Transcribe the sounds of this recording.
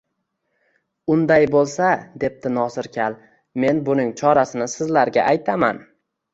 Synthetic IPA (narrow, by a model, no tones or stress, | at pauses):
ʊnd̪ajbolˠsad̪e̞p̚t̪ɪnɒsɪɾkʲʰalˠ | me̞nbʊnɪŋt͡ʃʰɒɾasɪnɪsɪzlaɾɡʲaʔajt̪ʰama̰n